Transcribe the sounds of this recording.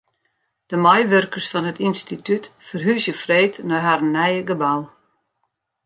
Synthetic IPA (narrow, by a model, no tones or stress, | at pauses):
d̥əmajʋørkərsfɔnətinstitytfərɦysjəfreːtnɔjɦaɾənːɛjəɡəbaw